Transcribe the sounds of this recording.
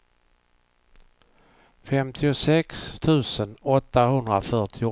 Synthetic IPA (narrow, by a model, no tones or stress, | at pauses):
fɛmt̪ʰɪʊsɛkst̪ʰʉ̟ːsənɔt̪ːaɦɵnd̪ɾafœʈʰɪʊ